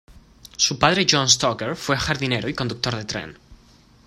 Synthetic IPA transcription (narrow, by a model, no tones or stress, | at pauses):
supaðɾeʒõns̬t̪okeɾfwexaɾðineɾoiko̞nd̪uk̚t̪oɾðet̪ɾḛn